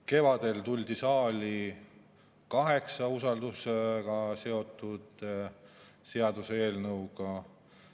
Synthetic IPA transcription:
ke̞vɑd̪̥e̞lt̪ulʲd̪̥isɑːlʲi | kɑɦe̞ksɑusɑld̪useɡ̥ɑse̞o̞t̪ːˑud̪̥ | se̞ɑd̪usee̞ːlnɤwɡ̥ɑ

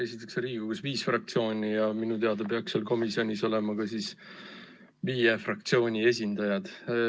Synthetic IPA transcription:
e̞sit̪ːˑekseɾiːɡuɡusviːsfrɑk̚t̪sio̞ːnʲijɑminut̪e̞ɑd̪ɑpeɑkselko̞misio̞nʲiso̞le̞mɑkɑsis | viːjefrɑk̚t̪sio̞ːnʲie̞s̬ʲind̪ɑjɑd̪̥

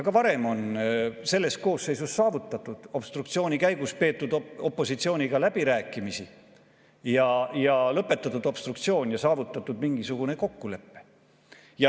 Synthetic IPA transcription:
ɑɡ̥ɑvɑɾe̞mo̞nse̞lːe̞st̪̚ko̞ːsːe̞jsusːɑːvut̪ːˑɑt̪ːˑud̪̥o̞b̥st̪rukt̪sio̞ːnʲikæjɡuspe̞ːt̪ːˑud̪o̞pːˑo̞sit̪sio̞ːnʲiɡ̥ɑlæb̥iɾæːkːˑimisi | jɑjɑlɤpːˑe̞t̪ːˑɑt̪ːud̪̥o̞b̥st̪ruk̚t̪sio̞ːnʲjɑsɑːvut̪ːˑɑt̪ːˑud̪miŋɡ̥isuɡ̥une̞ko̞kːule̞pːe̞̥ | jɑ

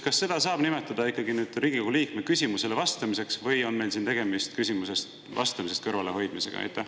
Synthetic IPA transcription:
kɑsːe̞d̪̥ɑsɑːb̥nime̞t̪ːˑɑd̪̥ɑikˑːɑɡinyːd̪̥riːɡ̥iko̞ɡuliːkmekysʲimuse̞le̞vɑst̪ɑmise̞ksvɤjo̞nme̞jlsiːnt̪e̞ɡe̞mist̪kysʲimuse̞st̪ | vɑ̰st̪ɑmis̬e̞st̪̚kɤɾvɑle̞ho̞jd̪̥mise̞ɡ̥ɑ̰jt̪ːˑe

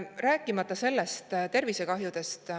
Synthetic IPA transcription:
ræːkˑːimɑt̪ːˑɑse̞lːest̪t̪e̞rvise̞kɑɦjud̪̥e̞st̪

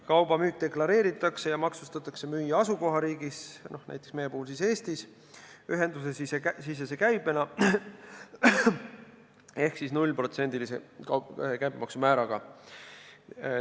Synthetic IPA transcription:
kɑwb̥ɑmyːk̚d̪̥eklɑɾe̞ːɾit̪ːˑɑkse̞jɑmɑksust̪ɑt̪ːˑɑkse̞myːjɑɑsuko̞ɦɑɾiːɡisno̞hnæ̰jt̪ːˑeksme̞je̞puhulsise̞ːst̪is | yɦe̞nd̪usesisesis̬ːese̞kæjb̥e̞nɑ | e̞hksisnulʲpro̞t̪se̞nʲd̪ilisḛ | kæjbmɑ̰ksumæːɾɑɡ̥ɑ

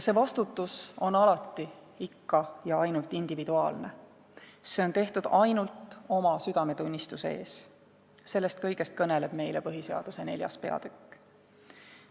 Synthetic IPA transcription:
se̞ːvɑst̪ut̪ːˑuso̞nɑlɑt̪ˑːi | ikːɑjɑɑjnult̪ˑind̪̥ivid̪̥uɑːlne̞ | se̞o̞nt̪e̞ht̪ud̪̥ɑjnult̪ˑo̞mɑsyd̪̥ɑme̞t̪unʲːist̪usḛe̞ːs | se̞lːe̞st̪̚kɤjɡ̥e̞st̪̚kɤne̞le̞b̥me̞jlepɤɦise̞ɑ̰d̪̥use̞ne̞ljɑ̰spe̞ɑ̰d̪̥ykːˑ

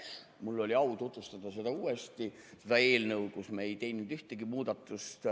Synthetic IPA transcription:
mulːo̞lʲiɑwt̪ut̪vust̪ɑd̪̥ɑse̞d̪̥ɑuːest̪i | sed̪̥ɑe̞ːlnəwkusmɑejt̪e̞jnːud̪yht̪eɡ̥imuːd̪ɑt̪ːˑust̪

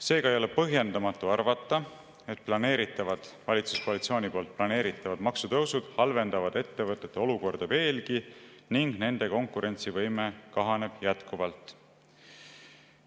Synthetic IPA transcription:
se̞ːɡ̥ɑejo̞lepɤɦje̞nd̪ɑmɑt̪ːˑuɑrvɑt̪ːˑɑ | e̞t̪̚plɑne̞ːɾit̪ːˑɑvɑd̪̥vɑlʲit̪su̥sko̞ɑlit̪sioːnʲipo̞ːlt̪̚plɑne̞ːɾit̪ːˑɑvɑd̪mɑksut̪ɤwsud̪̥hɑlve̞nd̪ɑvɑd̪̥e̞t̪ːe̞vɤt̪ːˑe̞t̪ːeo̞luko̞rd̪̥ɑve̞ːlɡiniŋɡne̞nd̪̥e̞ko̞ŋkuɾe̞nt̪sivɤjme̞kɑɦɑne̞b̥jæt̪kuvɑlt̪ˑ

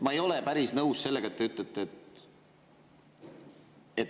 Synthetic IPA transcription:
mɑe̞jo̞le̞pæɾisnɤwsse̞lːeɡ̥ɑet̪ːeyt̪ːˑet̪ːˑet̪ | et̪

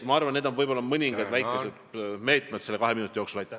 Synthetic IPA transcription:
mɑɑrvɑnned̪onvɤjbolːɑmɤnʲiŋɡ̥ɑd̪væjkˑːesed̪̥me̞ːt̪ˑmed̪̥se̞lːekɑɦe̞minut̪ʲːˑijoksulɑjt̪ːæ

